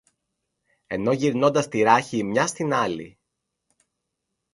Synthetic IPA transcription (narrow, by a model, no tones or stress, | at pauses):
e̞no̞ʝiɾno̞nd̪ɐst̪iɾɐçiːmɲɐst̪inɐlḭ